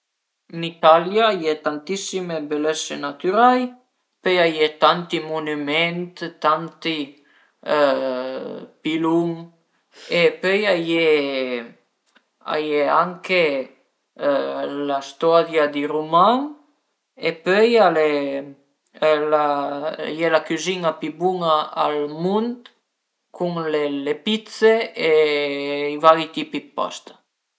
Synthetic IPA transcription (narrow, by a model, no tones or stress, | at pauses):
nit̪aljaajet̪ant̪isimebelesenat̪yɾaj | pøjajet̪ant̪imunymɛnt̪t̪ant̪i | pilum | epøjaje | a̰jeaŋke | last̪ɔd̪jad̪iɾumaŋ | epøjale | lajɛlakyzinapibuŋaa̰lmunt̪ | kʰuŋlelepit̪see | ivaɾit̪ipipɔ̰st̪ḁ